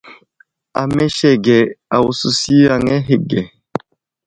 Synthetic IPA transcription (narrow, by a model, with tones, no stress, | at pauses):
a̰˨mɛ˦ʃɛ˦ɡɛ˨a˨wu˨su˦si˦a˨ŋɛ˦ɦe˨ɡɛ˨